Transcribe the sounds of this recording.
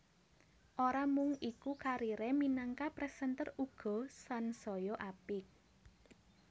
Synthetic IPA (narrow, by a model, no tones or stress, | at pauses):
ʔoɾamʊŋikukaɾiɾɛminaŋkapɾɛsənt̪əruɡ̥ɔ̤sansɔjɔʔapɪk̚